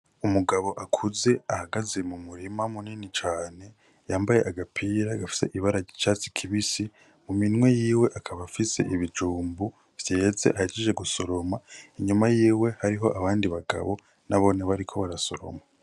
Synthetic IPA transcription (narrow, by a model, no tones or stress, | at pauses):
umuɡaβo̞ʔakʰuze̞ahaɡaze̞mumuɾimamuninit͡ʃaːne̞ | jaːmbaje̞ʔaɡapʰiːɾaɡafi̥se̞̰ʔiβaɾait͡ʃaːt͡si̥kʰiβisi | muminŋwe̞jiːwe̞ʔakʰaβafise̞̰ʔiβid͡ʒuːmbu | v̥je̞ze̞̰ʔahet͡ʃid͡ʒe̞ɡuso̞ɾo̞maiɲumajiːwe̞haɾiɦo̞ʔaβaːndiβaɡa̰βo̞̰ | naβo̞ːneβaɾikʰo̞βaɾaso̞ɾo̞̰ma